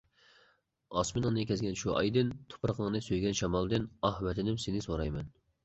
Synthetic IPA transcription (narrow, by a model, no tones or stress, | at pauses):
ɑsmɪnɨŋnɨkʲʰɛzɡʲɛnʃuʔɑ̰jd̪ɪnt̪ʰo̥pʰɾəqʰəŋnɨsøjɡʲɛnʃɑmɑlˠd̪ɨnɑhmɛt̪ʰɪnɪmsenɪsoɾɑjmɛn